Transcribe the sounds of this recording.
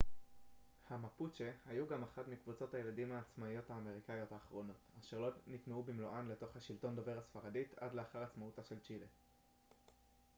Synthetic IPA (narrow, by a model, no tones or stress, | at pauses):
hamaput͡ʃehajuɡamaχatmikvut͡so̞thaje̞ladimaːt͡smaijo̞thaːme̞ʁ̞ikajo̞taːχʁo̞no̞taʃeʁlo̞nitmeubimloʔanle̞to̞χhaʃilto̞ndo̞ve̞ʁhasfaʁaditadleaχaʁat͡smautaʃe̞lt͡ʃile